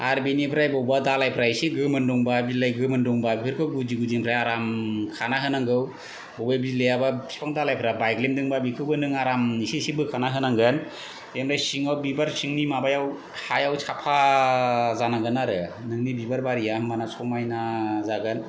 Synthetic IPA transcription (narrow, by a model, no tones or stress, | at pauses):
aɾbinipʰɾajbɔwbadalajpʰɾajseɡɯmɯnduŋbabizilajɡɯmɯnduŋbabipʰɯɾkʰɯwɡud͡ʒiɡuziŋpʰɾajaɾamkʰanaɦɯnaŋɡɯw | bɔbajbizilejabapʰi̥pʰaŋdalajpʰɾabajɡlemdɯŋbabikʰɯwbɯnɯŋaɾamnisesebɯkʰanaɦɯnaŋɡɯn | emɾajsiŋawbibaɾsiŋnimabajaw | hajawsʰapʰa | zanaŋɡɯnaɾɯnɯŋnibibaɾbaɾijammanasʰɔmajnazaɡɯn